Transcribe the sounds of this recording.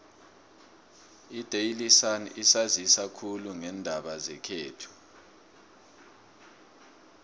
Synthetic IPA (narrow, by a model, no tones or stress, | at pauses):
id̥ʱejilisanisazisakʰuluŋɛndʱaɓazɛkʰeːtʰu̥